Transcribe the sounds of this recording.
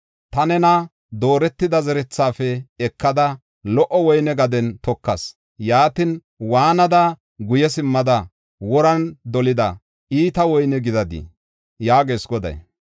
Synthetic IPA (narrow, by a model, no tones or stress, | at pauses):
t̪ɐnɛnɐ | d̪o̞ːɾɛt̪ːɪd̪ɐzɛɾɛt͡sːaːfɛɛkːɐd̪ɐ | lɔʔɔwɔjnɛɡɐd̪ɛnt̪ɔkːɐs | jaːt̪ɪn | waːnɐd̪ɐ | ɡʊjɛsɪmːɐd̪ɐ | wɔɾɐnd̪ɔlɪd̪ɐ | iːt̪ɐwɔjnɛɡɪd̪ɐd̪ḭ | jaːɡeːsɡɔd̪ɐ̰j